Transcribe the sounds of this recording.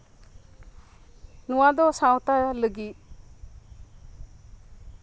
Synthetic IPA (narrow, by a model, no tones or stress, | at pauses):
nuwad̪ɔsawt̪aaləɡit̚